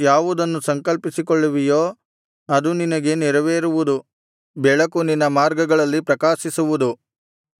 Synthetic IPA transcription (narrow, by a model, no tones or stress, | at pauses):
jaːʋud̪ɐnːusɐŋkɐlpisikoɭːuʋijoː | ɐd̪uninɐɡe̞niɾɐʋeːɾuʋud̪u | bɛɭɐkuninːɐmaːɾɡɐɡɐɭɐlːipɾɐkaːʃisuʋud̪u